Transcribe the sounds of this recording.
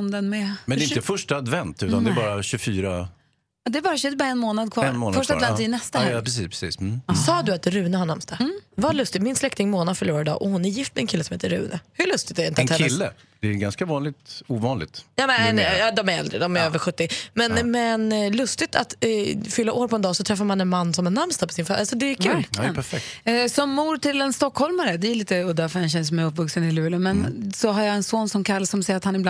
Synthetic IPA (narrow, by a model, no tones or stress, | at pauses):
nd̪ənmɛmɛnɛɪnəfœʂʈaːd̪vɛnt̪ʉːand̪ɛbɑːɾaɕɵfyːɾa | d̪ɛæbɑːɾaɕʉbɑːɾaɛnmoːnad̪̚kʰvɑɛnmoːnfœʂavɛnɛst̪apʰɾɛs̬ḭːspʰɾɛsḭːssɑːd̪ɵat̪ɾʉ̟ːnəhanɳamst̪avalɵst̪ɪmɪnslɛkt̪ɪŋmoːnad̪fœɭuːɾaɾd̪ɑ̰ːʔɔhʊnæɾjɪft̪mɛɛnkʰɪlːəsɔmheːt̪əɾʉ̟̰ːnəhɵɭɵst̪ɪɡt̪ɛɾɪnt̪ɛnɛɪlːə | d̪̥ɛːɡanskavɑːnlɪɡ̚t̪uːvɑːnlɪ̰ɡ̚t̪jɑːmɛɛnjɑd̪ɔmæɾɛ̰ld̪ɾəd̪ɔmæɾøːvəɾɧɵt̪ːɪmɛnmɛnlɵst̪ɪt̪ʰat̪fʏlːaʔoːɾpʰɔɛnd̪ɑːsɔt̪ʰɾɛfːaɾmanɛnmanːsɔmænamst̪apɔsɪnfaʔalsɔd̪ɛkʰʉːlpæɾfɛksɔmːuːɾʈɪlɛnst̪ɔkːhɔlmaɾəd̪ɛːliːt̪əɔd̪æɾfœɾhɛnɕ̬ɛnːəsɔmɛjɵpːvɵksənɪlʉ̟ːləmɛnsɔɦaɾjaɛnsoːnsɔmkʰalsɔmsɛjːəɾat̪hanɪbl